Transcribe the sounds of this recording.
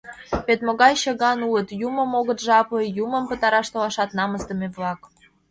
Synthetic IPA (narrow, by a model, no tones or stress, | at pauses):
βet̪moɣɑjɕə̆ɣɑnulət̪juməmoɣət̪ʒɑpəjumə̆mpət̪ɑɾɑʃt̪olɑʃɑt̪nɑməzd̪ə̆meβlɑk